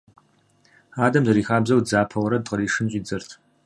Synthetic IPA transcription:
aːdɐmzɐɾiːxaːbzɐwd͡zaːpʰɐwɐɾɐdqəriːʂɨnɕʼiːd͡zɐrtʰ

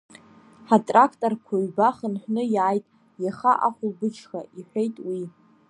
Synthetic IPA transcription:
ħatʼrakʰtʼorkʷʰaɥbaχənħʷᶣnɨjaːjtʼ | jaχaʔaχʷʊlbɨt͡ʃʰxaiħʷᶣejtʼwi

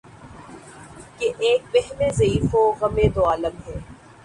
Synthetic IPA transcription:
keʔeːk̚bɛɦnezɐiːfoɣɐmẽt̪oaːləmɦɛː

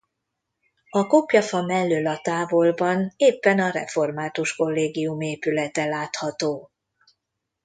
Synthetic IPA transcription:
ɒkopjɒfɒmɛlːøːlɒt̪aːvo̞lbɒneːpːɛnɒɾɛ̰fo̞rmaːt̪uʃko̞lːeːɡijumeːpylɛt̪ɛlaːt̪hɒt̪oː

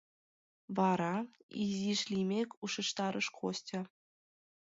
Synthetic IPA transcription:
ʋɑɾɑizʲiʂlʲimʲekʲuʂɤ̆ʂt̪ɑɾʔɤ̆ʂkosʲtʲɤ̆

